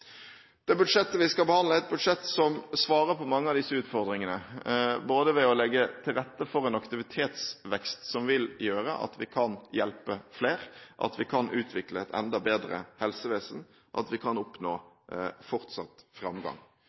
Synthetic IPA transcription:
d̪̥ɛbʉd̪ʂɛt̪ːəʋɪskɑbəhɑnd̪ləɛt̪̚bʉd̪ʂɛt̪ːsɔmsʋɑːʁəpʰɔmɑŋːəɑʋd̪ɪsːəʉːt̪fɔʁd̪ɾɪŋənəboːd̪əʋɛɔlɛɡːət̪ʰɪlɾɛt̪ːəfɔʁɛnɑkt̪ɪʋɪt̪ʰeːt̪sʋɛkst̪sɔmʋɪljøːɾə̰ʔɑ̰t̪ʋɪkʰɑnjɛlpəfleːɾʔɑ̰t̪ʋɪkʰɑnʔʉːt̪ʰʋɪkləɛt̪ʰɛ̰nd̪ɑbeːd̪ɾə̰hɛlsəʋeːsən | ʔɑ̰t̪ʋɪkʰɑnɔpnoː | fɔʁt̪sɑ̰t̪fʁɑmɡɑ̰ŋ

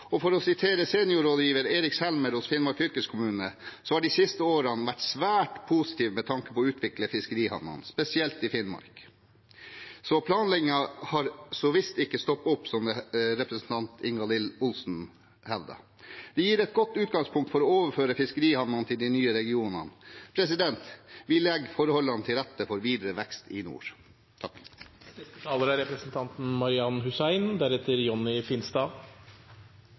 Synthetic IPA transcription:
ɔfɔɾɔsɪt̪ʰeːɾəseːnɪʊɾoːd̪jiːʋəɾeːɾɪkshɛlməɾhʊsfɪnmɑɾkfʏlkəskʰʊmʉːnəsɔhɑɖɪsɪst̪əoːɾənʋæʈsʋæːʈpʰʊsɪ̥t̪ʰiːʋmɛt̪ʰɑŋkə̥pɔːʉːt̪ʰʋɪkləfɪskəɾiːhɑ̰nːɑ̰nspɛsɪɛlt̪ɪfɪnmɑ̰ɾk | sɔpʰlɑːnlɛɡɪŋɑhɑɾsɔʋɪst̪ɪkːəst̪ɔpːʊpːsɔmd̪ɛɾɛpɾəsn̩t̪ʰɑnt̪ʰɪŋɡɑlɪlʊlsn̩ | hɛʋd̪ɑ̰ | d̪̥ɛjiːɾɛt̪̚ɡɔt̪ːʉːt̪̚ɡɑŋspʰʊŋkt̪fɔɾɔoːʋəɾføːɾəfɪskəɾiːhɑnɑnt̪ʰɪld̪ɪnyːəɾɛɡɪuːnə̰npʰɾɛsɪd̪ɛnt̪ʋɪlɛɡfɔɾhɔlːɑnt̪ʰɪlɾɛt̪ːəfɔɾʋiːd̪ɾəʋɛkst̪ɪnṵːɾ | t̪ʰɑkːɛst̪ət̪ʰɑːləɾæɾɛpɾəsnt̪ʰɑnt̪n̩mɑɾɪɑnhʉsæɪnd̪æɾhɛːt̪ʰəɾjɔnːɪfɪnst̪ɑː

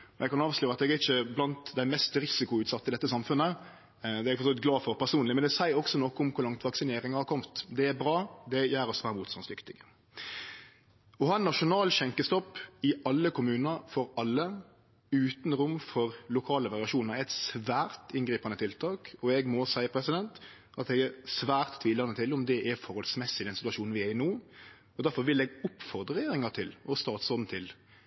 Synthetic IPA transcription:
jɛɡkɑnɑːʋʂlyːɾəɑt̪ɛɡæɪçəblɑnt̪d̪æɪmɛst̪ɾɪsɪkʊʉːt̪sɑt̪ːəɪd̪ɛt̪ːəsɑmfʉnə | d̪ɛɛɡfɔsʰɔlɪt̪̚ɡlɑːfɔɾpʰæʁsuːnlɪmɛnd̪ɛsæɪɔksɔnɔkːəʊmkʰʊɾlɑŋt̪ʋɑksɪneːɾɪŋɑhɑɾkʰɔmt̪d̪ɛæbɾɑːd̪ɛjæːɾɔsʋæːɾəmuːt̪st̪ɑnsd̪ʏkt̪ɪɡ | ɔhɑnːɑʂʊnɑːlʃɛŋkəst̪ɔpːɪɑlːəkʰʊmʉːnəɾfɔɾɑlːə | ʉːt̪nɾʊmfɔɾlʊkʰɑːləɾɑɾɪɑʃuːnəɾɛɛɪt̪sʋæːɾt̪ɪnɡɾiːpɑnət̪ʰɪlt̪ʰɑːkɔɛɡmɔsæɪəpʰɾɛsɪd̪ɛnt̪ | ɑt̪ɛɡɛsʋæːɾt̪ʰːʋiːlɑnət̪ʰɪlʊmd̪ɛʔɛfɔɾhɔlsmɛsːɪd̪ɛnsɪt̪ʉɑʂuːnn̩ʋɪɛɪnoː | ɔd̪æɾfɔɾʋɪlɛɡʊpfɔʁd̪ɾəʁəɛjeːɾɪŋɑt̪ʰɪlɔst̪ɑːt̪sɔd̪n̩t̪ʰɪl

